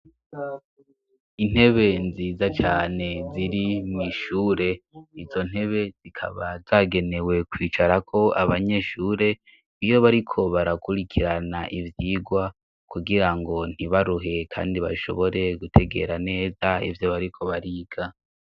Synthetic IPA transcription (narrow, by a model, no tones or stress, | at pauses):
in̥he̞βe̞nziːzat͡ʃaːne̞ziɾimŋiʃuːɾe̞izo̞n̥he̞βe̞z̥ikʰa̰βazaːɡe̞ne̞we̞kwiːt͡ʃaɾakʰo̞aβaɲe̞ʃuːɾe̞ | ijo̞βaɾikʰo̞βaɾakuɾikʰiɾana̰ʔivjiːɡwa | kuɡiɾaŋɡo̞n̥iβaɾuɦe̞kʰa̰ːndiβa̰ʃo̞̰βo̞ɾe̞ɡutʰe̞ɡe̞̰ɾane̞ːzaḭvjo̞βaɾikʰo̞βaɾiːɡʰa